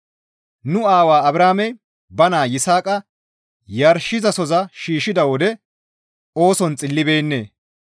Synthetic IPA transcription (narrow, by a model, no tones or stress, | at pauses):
nʊaːwaːɐbɾaːmɛj | bɐnaːjɪsaːkʼɐ | jɐɾʃɪzɐsɔzɐʃiːʃɪd̪ɐwɔd̪ɛ | o̞ːsɔnt͡sʼɪlːɪbe̞ːnːḛː